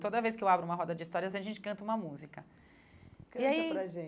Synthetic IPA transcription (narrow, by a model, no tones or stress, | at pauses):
t̪od̪ɐvejskɪewabɾʊũmɐɦɔd̪ɐd͡ʒɪist̪ɔɾiɐazẽɐʒẽnt͡ʃɪkɐ̃nt̪ɐũmɐmuzikɐ | kiaiɾɐʒẽ